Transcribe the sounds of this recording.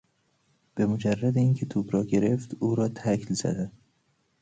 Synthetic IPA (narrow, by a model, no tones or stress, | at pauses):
b̥e̞mod͡ʒærːæd̪eiːncʰet̪ʰuːbɾɒːɡe̞ɾeft̪uːɾɒːt̪ʰæcʰlz̥æ̰d̪æn